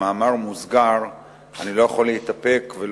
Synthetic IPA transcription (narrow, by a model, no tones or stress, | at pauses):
aːmaʁmuzɡaʁ | anilo̞jaχoleit̪ape̞kvel